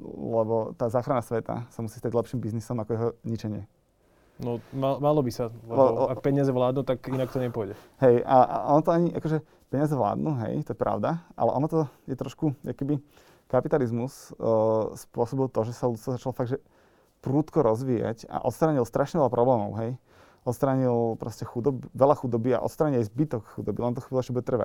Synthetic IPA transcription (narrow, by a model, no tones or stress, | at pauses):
lɛbɔt̪aːzaːxɾanasʋɛt̪a̰samusiːst̪aɟlɛpʃiːmbiznisɔmakɔjɛɦɔɲit͡ʃɛɲɪɛ | nɔmamalɔbisalɛlɛɔak̚pɛɲɪazɛʋlaːd̪nut̪akinak̚t̪ɔɲɛpʊɔjɟɛ | ɦɛja̰ʔɔnɔt̪ɔaɲiʔakɔʒɛ | pɛɲɪazɛʋla̰ːd̪nuɦɛ̰jt̪ɔjɛpɾa̰ʊd̪aʔa̰lɛ̰ʔɔnɔt̪ɔjɛt̪ɾɔʃkuakɔkɛbi | kapit̪alizmus | spʊɔsɔbilˠt̪ɔʒɛsalut̪t̪ʋɔzat͡ʃalɔfaɡʒɛ | pɾuːt̪kɔɾɔzʋiːja̰ca̰ʔɔt̪st̪ɾaːɲilst̪ɾʔaʃɲɛʋɛʎapɾʔɔblɛːmɔʊɦɛj | ʔɔt̪st̪ɾaːɲilpɾɔscɛxud̪ɔbʋɛlaxud̪ɔbia̰ʔɔ̰t̪st̪ɾaːɲilajzbit̪ɔkxud̪ɔbilɛnt̪ɔxiblʒɛbuɟɛt̪r̩ʋa̰c